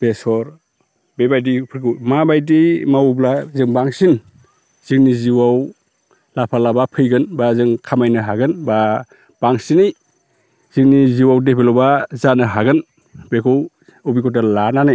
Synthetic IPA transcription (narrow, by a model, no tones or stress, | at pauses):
b̥esɔɾ | bebajdipʰɯɾkɯwmabajdimawblazɯŋbaŋsin | z̥iŋniziwaw | lapʰalabapʰɯjɡɯnbazɯŋkʰamajnɯɦaɡɯnba | b̥aŋsinɯj | z̥iŋniziwawdepʰelɔbazanɯɦaɡɯn | bekʰɔw | ubikʰɔtalananɯj